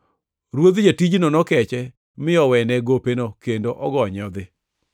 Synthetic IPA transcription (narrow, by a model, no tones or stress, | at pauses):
ɾwod̪d͡ʒatid͡ʒnɔnɔkɛt͡ʃɛ | mɪɔwɛnɛɡopenokendoʔɔɡɔɲɔd̪ɪ